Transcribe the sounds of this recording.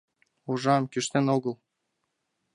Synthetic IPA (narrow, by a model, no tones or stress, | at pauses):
uʒɑmkʲyʃt̪enoɡɤlˠ